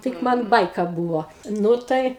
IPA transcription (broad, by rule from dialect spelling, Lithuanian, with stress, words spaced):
ˈtʲɪk ˈmɐn ˈbɐɪkɐ ˈbuːʋoː ˈnʊ tɐɪ